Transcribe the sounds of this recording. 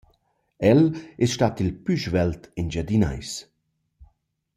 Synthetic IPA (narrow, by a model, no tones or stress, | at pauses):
ɛlɛsʃtaːt̪ilpyʒvɛlt̪ind͡ʒad̪ina̰js